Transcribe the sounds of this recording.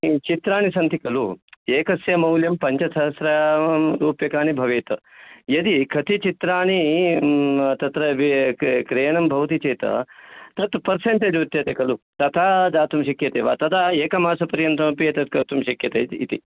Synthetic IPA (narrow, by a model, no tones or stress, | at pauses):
t͡ʃit̪ɾaːñisɐnt̪ikɐlueːkɐsjɐmɐwljɐmpɐɲt͡ʃɐsɐɦɐsɾaɾuːpjɐkaːnibʱɐʋeːt̪ɐ̰jɐd̪ikʰɐt̪ʰit͡ʃit̪ɾaːñi | t̪ɐt̪ɾɐʋkɾeːɳɐmbʱɐʋt̪it͡ʃeːt̪ɐ̰t̪ɐt̪pɐɾseɳʈed̪ut̪jɐt̪ekɐlut̪ɐt̪ʰaːd̪aːt̪umʃɐkjɐt̪eːʋa̰ːt̪ɐd̪aeːkɐmaːsɐpɐɾjɐnt̪ɾɐmpet̪ɐt̪kɐt̪umʃɐkjɐt̪ɐḭt̪ḭ